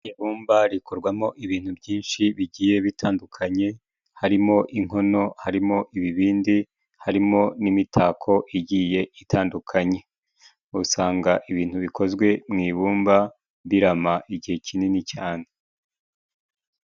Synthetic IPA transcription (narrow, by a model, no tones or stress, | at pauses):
eβuːmbaɾikʰoɾɡwamo̞ʔiβiːn̥hubɟiːnʃiβiɟiːje̞βitʰaːndukʰaɲe̞ | haɾimo̞ʔiŋ̥ɦo̞no̞haɾimo̞ʔiβiβiːndi | haɾimo̞nimitʰaːkʰo̞ʔiɟiːje̞ʔitʰaːndukʰaɲe̞ | usaːŋɡaʔiβiːn̥huβikʰo̞zɡwe̞mŋiːβuːmba | βiɾamaʔiɟihe̞cʰininicaːne